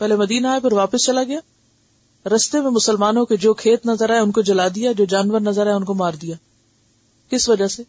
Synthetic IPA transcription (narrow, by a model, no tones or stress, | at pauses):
pɛɦlemɐd̪iːnaːepɐɾʋaːpəst͡ʃɐlaɡɐjaː | ɾɐst̪emẽmʊsəlmaːnõked͡ʒoːkʰeːt̪nɐzəɾɛʊnkod͡ʒɐlaːd̪ijad͡ʒoːd͡ʒaːnʋəɾnɐzəɾɦɛʊnkomaːɾd̪ijaː | kɪsʋɐd͡ʒaseː